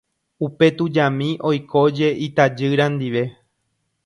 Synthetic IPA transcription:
upe̞t̪ud͡ʒamĩʔo̞jkʰo̞d͡ʒe̞ʔit̪ad͡ʒɨɾãnd̪iʋe̞

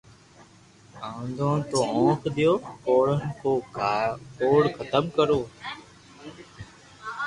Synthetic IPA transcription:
ãːnd̪ʱõːt̪oːõːkʰɗ̪ijoːkoːɽənɪkoː | koːɽkʰət̪əmkəɾoː

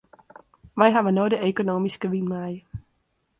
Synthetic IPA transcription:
ʋɛjɦaʋənojdəʔekonoːmiskəʋinmɛj

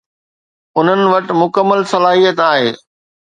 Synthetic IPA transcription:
ʊn̤ənɪ̆ʋɐʈɪ̆mʊkəmːəlsɐlaːɦijət̪aːɦeː

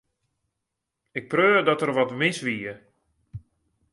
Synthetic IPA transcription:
ɪk̚prøːdɔtərʋɔtmɪsʋiə

